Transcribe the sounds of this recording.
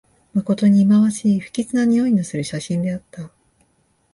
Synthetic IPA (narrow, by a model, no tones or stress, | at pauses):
mako̞t̪o̞ɲ̟iːmaβaɕiːɸɯ̟̥kʲit͡sɨnaɲ̟ioinosɨɾɯ̟ɕaɕĩnd̪e̞at̪ːa